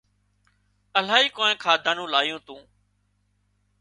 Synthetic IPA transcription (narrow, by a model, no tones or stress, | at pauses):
əl̤aːɦiːkoːnẽːkʰaːd̪ʱaːnũːlaːjũːt̪ũː